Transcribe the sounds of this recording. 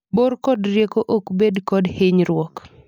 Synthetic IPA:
borkɔdrjekoʔokbedkɔdhɪɲɾwɔk

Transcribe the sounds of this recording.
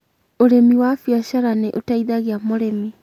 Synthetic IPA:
oɾemiwafjaɕaɾaneʔotaiðaɣeamoɾemi

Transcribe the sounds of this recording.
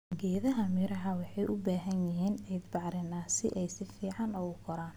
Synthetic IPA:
ɡɛːðɐɦɐmɪɾɐɦɐwɑħɑjʔʊbaːɦɐnjɪɦiːnɛjd̪bɑʕɾɪnaːsɪ̰ʔɛjsɪfiːʕɑnɔɣʊkʰɔɾaːn

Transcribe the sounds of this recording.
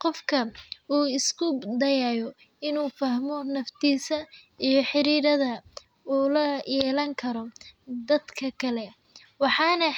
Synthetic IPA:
qɔfkʰɐuːɪskʰʊd̪ɐjaːjɔ | ɪnuːfɐhmɔnɐft̪ʰiːsɐ | ijɞħɪɾiːɾɐðɐ | uːlɐjɛːlɐŋkʰɐɾɔd̪ɐd̪kʰɐkʰɐlɛ | wɑħɑːnɐ

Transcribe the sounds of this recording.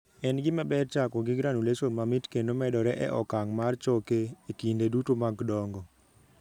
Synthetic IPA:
ɛnɡɪmɛbɛɾt͡ʃakɔɡɪɡɾanuleʃomamitkendomɛdɔɾɛʔɛ̰ʔɔkaŋmart͡ʃokeekindedutomaɡdɔŋɡɔ

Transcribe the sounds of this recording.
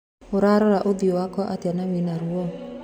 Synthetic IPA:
oɾaɾɔɾaʔoðiowakɔʔatanawinaɾuɔ

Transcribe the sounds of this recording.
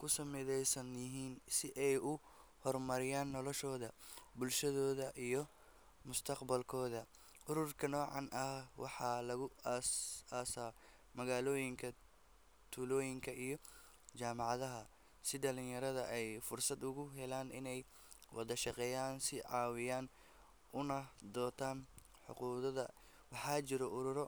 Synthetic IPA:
kʰʊsɐmɪðɛjsɐnjɪɦiːnsɪʔɛjʔʊ | hɔrmɐɾɪjaːnːɔlɔʃɔːðɐbʊlʃɐðɔːðɐʔijɞ | mʊst̪ʰɐqbɐlkʰɔːðɐ | ʔʊɾʊrkʰɐnɔːʕɑnʔɐhwɑ̰ħɑːlɐɣʊ | aːsaː | mɐɣaːlɔːjɪŋkʰɐ | t̪ʰuːlɔːjɪŋkʰɐʔijɞ | t͡ʃaːmɑʕɑðɐɦɐ | sɪɖɐlɪnjɐɾɐðɐʔɛjfʊrsɐd̪ʊɣʊɦɛlaːnɪnɛj | wʔɑðɐʃɑqɛːjaːnsɪʕɑːwɪjaːn | ʊnɐd̪ɔːt̪ʰaːn | ħʊ̰quːðɐðɐ | wɑħɑːt͡ʃɪɾɔʔʊɾʊɾɔ

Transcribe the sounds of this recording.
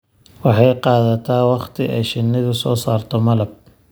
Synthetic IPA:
wɑħɑjqɑːðɐt̪ʰaːwɑχt̪ʰɪɛjʃɪnːɪðʊsɔːsaːrt̪ʰɔmɐlɐb̚

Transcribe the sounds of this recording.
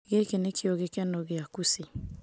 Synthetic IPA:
ɣekenekʰɪɔɣekɛnɔɣɪakusi

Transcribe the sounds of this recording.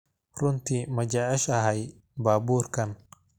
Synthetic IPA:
rʊnt̪ʰimɐd͡ʒaːʕɪʃɐɦɛj | baːbuːrkʰɐn

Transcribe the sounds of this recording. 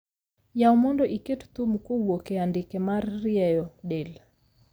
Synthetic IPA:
jaɔmɔndɔʔiketu̥tumukuɓwɔkɛandikɛmaɾiɾiɛjɔɗɛl

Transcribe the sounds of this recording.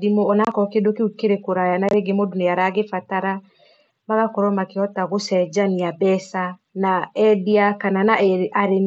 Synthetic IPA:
dimoɔnakɔkedokeukeɾekoɾajanaɾeɡemodoneaɾaɣefataɾa | maɣakoɾɔmakeɔtaɣosɛd͡ʒaniabɛsa | naɛdiakananaɛʔaɾen

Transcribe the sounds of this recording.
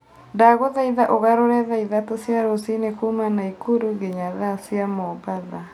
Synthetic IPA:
ndaɣoðaiðaʔoɣaɾoɾɛðaiðatosjaɾosinekumanaikuɾuɡeɲaðasjamɔbaða

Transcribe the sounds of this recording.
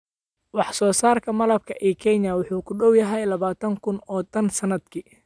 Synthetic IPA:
wɑħsɔːsaːrkʰɐmɐlɐb̚kʰɐʔɛːkʰɛɲɐwʊħuːkʰʊɖɔwjɐɦɛjlɐβaːt̪ʰɐŋkʰʊnɔːt̪ʰɐnsɐnɐd̪kʰi

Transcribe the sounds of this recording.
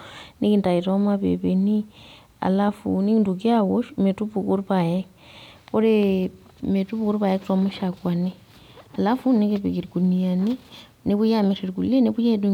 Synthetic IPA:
nikintaitwamaβḛβeni | a̰lafṵnikintukiawoʃmetupukuɾupaje | koɾe | metupukuɾupajekitwamuʃakwani | alafunikepekiɾikunijani | niβujamiɾiɾikṵleniβujedu

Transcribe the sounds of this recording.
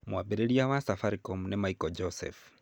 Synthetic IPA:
mwabeɾeɾiawasafaɾikɔmunɛmaikɔd͡ʒɔsɛ̰f

